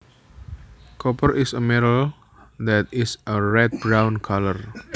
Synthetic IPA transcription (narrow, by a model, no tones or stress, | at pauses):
kɔpərisəmɛɾəl | d̪ɛt̪ɪsəɹɛt̪̚bɾãwnkʰalər